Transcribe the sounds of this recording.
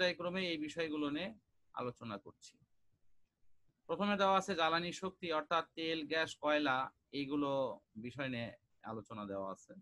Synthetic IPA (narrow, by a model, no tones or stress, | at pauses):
ajkɾomeejbiʃɔeɡulone | a̰lot͡ɕonakoɾt͡ɕʰi̥ | pɾot̪ʰomed̪eoaat͡ɕʰed͡ʑalaniʃok̚t̪iɔɾt̪ʰat̪ːelɡɛʃkɔela | ejɡulobiʃɔene | a̰lot͡ɕonad̪eoa̰a̰t͡ɕʰe